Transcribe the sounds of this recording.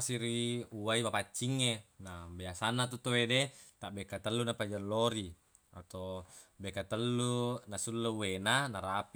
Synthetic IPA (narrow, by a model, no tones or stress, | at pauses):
siɾiuaimapat͡ʃːiŋːenabiasanːat̪ut̪owedet̪aʔbekat̪əlːunapad͡ʒalːoɾi | a̰t̪obekat̪əlːunasulːuuwenanaɾap